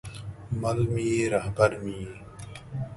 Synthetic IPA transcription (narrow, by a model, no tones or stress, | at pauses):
mɐlmiːɾaɦbɐɾmiː